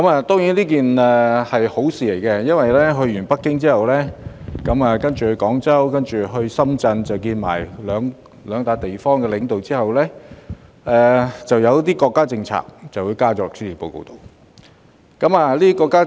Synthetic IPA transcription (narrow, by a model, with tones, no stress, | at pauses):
kɐ˨˥maː˨˧t̪ɔː˥ŋjiː˨˥nliː˥k̬iː˨nɛ˨hɐ˨jho˨˥wsiː˨le˨˩jkɛ˧jɐ˥nwɐ˨jlɛː˥ɦɵ˧ɥyː˨˩npɐ˥kːɪ˥ŋt͡siː˥hɐ˨wlɛː˥kɐ˨˥maː˨kɐ˥nt͡ʃy˨hɵ˧jkɔː˨˥ŋt͡sɐ˥wkɐ˥nt͡ʃyː˨ɦɵ˧ɥsɐ˥mt͡sɐ˧nt͡sɐ˨wkiː˧nma̰ː˨˩jlœː˨˧ŋ | lœː˨˧ŋt̪aː˨˧˥t̪e˨jfɔː˥ŋkɛː˧lɪ˨˥ŋt̪o˨wt͡siː˥hɐ˨wlɛː˥ | ɛː˨t͡sɐ˨wjɐ˨˧wt̪̬iː˥kɔː˧kːaː˥t͡sɪ˧ŋt͡sʰa̰ː˧k̚t͡sɐ˨wuː˨˧jkaː˥t͡sɔː˨˧k̚sʰy˨˧˥i˨˩po̰˨˧wko̰˨˧wt̪o˨˩w | kɐ˨˥maː˨liː˥kɔː˧kːaː˥